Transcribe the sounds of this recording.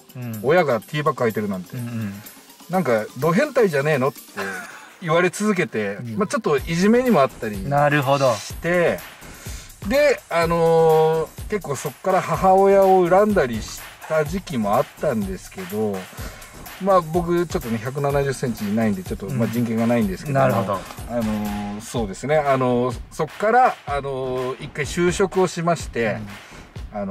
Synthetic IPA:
o̞jaɡat̪ʰʲiːbakːɯ̟ait̪e̞ɾɯ̟nãnt̪e̞ | nãŋkad̪o̞ːɦẽ̞nt̪aiʑane̞ːno̞t̪ːe̞iβaɾe̞t͡sɨzɨk̬e̞t̪e̞mat͡ɕo̞t̪ːo̞ʔiʑime̞ɲ̟imo̞at̪ːaɾʲinaɾɯɦod̪oɕi̥t̪e̞ | d̪e̞ano̞ | ke̞kːo̞ːso̞kːaɾahaɦaojao̞ɯ̟ɾãnd̪aɾʲiɕi̥t̪aʑikʲimo̞at̪ːãnd̪e̞sɨ̥ke̞d̪o̞ | mabo̞k̬ɯ̟t͡ɕot̪ːo̞ne̞çak̬ɯ̟nanaʑɨsẽ̞ɲ̟t͡ɕinaĩnd̪et͡ɕo̞t̪ːo̞mad͡ʑĩŋkẽ̞ŋɡanaĩnd̪e̞sɨ̥ke̞aɾɯod̪oano̞so̞ːd̪e̞sɨne̞ano̞so̞kːaɾaːno̞ikːaiɕɨːɕo̞kɯ̟o̞ɕimaɕi̥t̪e̞ | ano

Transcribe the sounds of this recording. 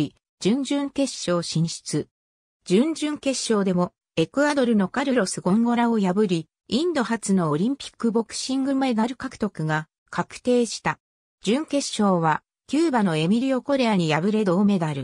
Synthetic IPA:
i | d͡ʑɨ̃ɲ̟d͡ʑɨ̃ŋke̞ɕːo̞ːɕĩɰ̃ɕi̥t͡sɨ | d͡ʑɨ̃ɲd͡ʑɨ̃ŋke̞ɕːo̞ːd̪e̞mo̞ | e̞kɯ̟ad̪o̞ɾɯ̟no̞kaɾɯ̟ɾo̞sɨɡõ̞ŋɡo̞ɾaojabɯ̟ɾʲi | ĩnd̪o̞ɦat͡sɨno̞ːɾʲĩmpʲi̥kːɯ̟bo̞kɯ̟̥ɕĩŋɡɯmed̪aɾɯ̟kakɯ̟̥t̪o̞kɯ̟ɡa | kʰakɯ̟̥t̪e̞ːɕi̥t̪a | d͡ʑɨ̃ŋke̞ɕo̞ːβ̞a | kʲɨːbano̞e̞mʲiɾʲio̞ko̞ɾe̞aɲ̟ijabɯ̟ɾe̞d̪o̞ːme̞d̪aɾɯ̟

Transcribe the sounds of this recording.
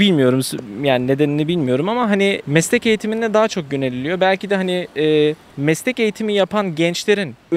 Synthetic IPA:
ilʲmijo̞ɾumsjaːnine̞d̪eninʲibilʲmijo̞ɾumamaɦanimɛslʲɛce̞jit̪ʰiminlɛd̪aːat͡ʃʰo̞k̚ɟønelʲilʲijo̞bælʲcid̪ɛɦaniɛː | mɛslʲɛce̞jit̪ʰimijapʰanɟɛnt͡ʃlʲe̞ɾin

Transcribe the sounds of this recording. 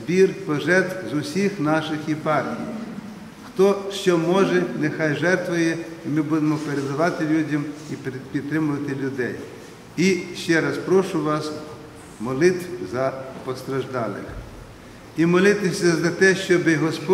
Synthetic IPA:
zbʲirpɔʒɛrt̪wzʊsʲixnɑʃɪxipɑrtʲḭjj | xt̪ɔʃt͡ʃɔmɔʒɛnexɑjʒɛrt̪ʋɔjɛimɪbud̪emɔpeɾed̪ɐʋɑt̪ɪlʲudʲɐmipʲid̪t̪ɾɪmʊʋɐt̪ɪlʲʊd̪ɛj | iʃt͡ʃɛɾɐspɾɔʃʊʋɑs | mɔlˠɪt̪ʋʲzɐpɔst̪ɾɐʒd̪ɑlˠɪ̰mʲɐ | imɔlˠɪt̪ɪsʲɐzɐt̪ɛʃt͡ʃɔbɪɦɔspɔ

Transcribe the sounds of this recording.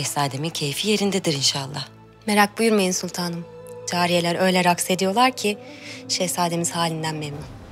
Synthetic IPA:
ɛsaːd̪emicʰe̞jfije̞ɾind̪ed̪iɾinʃalˠːah | me̞ɾak̚bujuɾmajinsulʲt̪ʰaːnɯmd͡ʒaːɾije̞lʲæɾø̞jlʲɛɾakse̞d̪ijo̞lˠaɾcʰiʃesaːd̪e̞miz̥haːlʲind̪ænmemnun

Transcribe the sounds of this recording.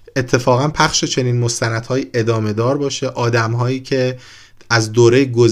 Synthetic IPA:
e̞t̪ʰːe̞fɒːɣænpʰæχʃe̞t͡ʃʰe̞niːnmost̪ænæd̪̥hɒːjiːʔe̞d̪ɒːme̞d̪ɒːɾbɒːʃe̞ʔɒːd̪æmɦɒːjiːcʰe̞ | æzd̪oːɾe̞jɡoz

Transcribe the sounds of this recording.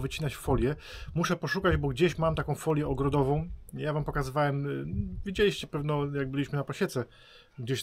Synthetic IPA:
vɘt͡ɕinat͡ɕfɔlʲjɛ | muʂɛpɔʂukad͡ʑbɔɡd͡ʑeɕmamt̪akɔ̃w̃fɔlʲjɛɔɡɾɔd̪ɔvɔ̃w̃javampɔkazɘvawɛmvʲid͡ʑelʲiɕt͡ɕɛpɛvnɔjaɡ̚bɘlʲiɕmɘnapɔɕɛt̪sɛ | ɡd͡ʑeɕ

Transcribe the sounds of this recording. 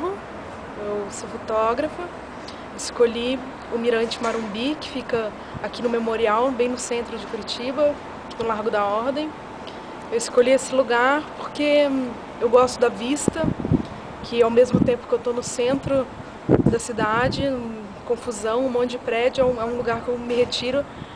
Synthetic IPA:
ʊ | ewsofot̪ɔɡɾɐfɐ | ewɪskoʎi | ʊmiɾɐ̃nt͡ʃɪmaɾõbikɪ̥fikɐ | akinʊmemoɾiawbẽj̃nʊsẽnt̪ɾʊd͡ʒɪkuɾit͡ʃibɐ | nʊlaɾɡʊd̪ɐɔɾd̪ẽj̃ | ewɪskoʎiesɪluɡaɾpoɾke | ewɡɔst̪ʊd̪ɐvist̪ɐ | kʰɪawmezmʊt̪ẽmpʊkɪewt̪onʊsẽnt̪ɾʊ | d̪ɐsid̪ad͡ʒɪ | kõfuzɐ̃w̃ũmõd͡ʒɪpɾɛd͡ʒʊɛũɛũluɡaɾkewmɪɦet͡ʃiɾʊ

